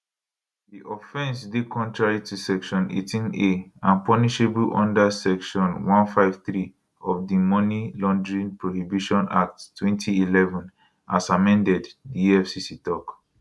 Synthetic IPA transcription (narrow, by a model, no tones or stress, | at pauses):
diʔɔfɛ̃nsdekʰɔ̃ntɹaɹitusɛkʃɔ̃nḛtʰĩneãnpɔniʃeblʔɔ̰̃ndasɛkʃɔ̃nwɔ̃nfaɪv̥θɹi | ɔfdimɔnilɔ̃ndɹĩnpɹohibiʃɔ̃nak̚ttʰwɛ̃ntʰiilɛvɔ̃n | ʔasamɛ̃ndɛddiɛfsisitɔk